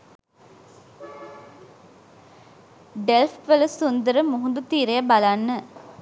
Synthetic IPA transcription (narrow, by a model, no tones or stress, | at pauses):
ɖelfʋələsund̪əɾəmuɦund̪ut̪iːɾejabalanːə